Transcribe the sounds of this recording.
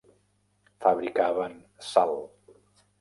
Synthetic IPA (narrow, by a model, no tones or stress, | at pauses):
faβɾikaβən | salˠ